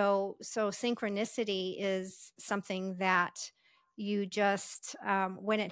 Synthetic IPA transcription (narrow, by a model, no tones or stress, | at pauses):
oʊsoʊsɪ̃ŋkʰɹɨnɪsɨɾiɪz̥sʌ̃mθɪ̃ŋðɨt͡ʃ | ɨd͡ʒʌstwɨ̃nɨt̚